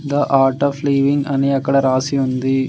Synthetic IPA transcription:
d̪ɐʔaːɾʈɔfliːʋɪ̃ŋɡɐniɐkːɐɽɐɾaːsiʋɐnd̪i

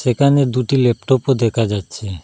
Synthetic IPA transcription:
ʃekʰaned̪uʈilep̚ʈopod̪ɛkʰad͡ʑatːɕʰe

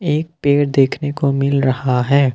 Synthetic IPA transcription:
eːk̚peːɾd̪eːkʰnekomɪlɾɐhaɦɛː

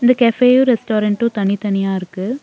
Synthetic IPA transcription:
ɪnd̪ɐkɛfeːjuɾɛsʈoːɾɐɳʈʊ̃t̪ɐɳɪt̪ɐnɪjaːɪɾɯkːɯ

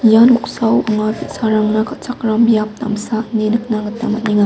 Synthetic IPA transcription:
januksawɐŋapisaɾaŋnakʰat͡ʃakɾamjap̚ta̰msanenɯk̚naŋɡɯtamɐniŋa

